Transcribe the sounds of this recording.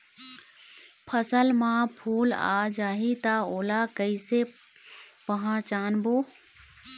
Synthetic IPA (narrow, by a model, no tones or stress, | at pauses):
pʰəsəlmãːpʰuːla̰ːd͡ʒaːɦit̪aoːlakəise | pəɦãːt͡ʃaːnboː